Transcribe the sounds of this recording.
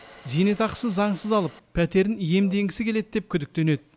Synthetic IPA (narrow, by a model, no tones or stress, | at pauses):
zijne̞t̪ɑqə̥səzɑɴsəzɑlˠəp̚pʰːæt̪e̞ɾɪnje̞md̪e̞ŋɡʲɪsɪkʲe̞led̪̚d̪e̞p̚kʲʰʏd̪ɪk̚t̪e̞ne̞d̪ɪ